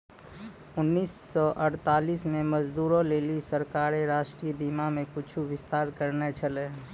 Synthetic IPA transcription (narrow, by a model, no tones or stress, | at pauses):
ʊnːiːsːɔʔəɽt̪aːliːsmẽməd͡ʒd̪uːɾõleːlisəɾkaːɾeɾaːʃʈɾiːbiːmamẽkʊt͡ʃʰuʋɪst̪aːɾkəɾnet͡ʃʰəle